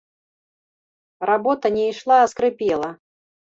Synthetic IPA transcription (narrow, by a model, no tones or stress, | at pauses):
rabɔt̪ɐnʲɛjʂlˠaːskɾɨpʲɛlˠɐ